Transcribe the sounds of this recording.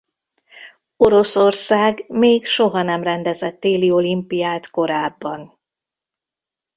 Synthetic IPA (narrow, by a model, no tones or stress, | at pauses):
o̞ɾo̞so̞rsaːɡmeːɡʃo̞ɦɒnɛmrɛnd̪ɛzɛt̪ːeːlio̞limpijaːt̪ko̞ɾaːbːɒn